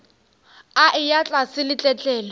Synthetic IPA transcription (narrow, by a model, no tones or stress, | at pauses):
aʔɪjat͡ɬʼasɪlɪt͡ɬʼɛt͡ɬʼɛːlɔ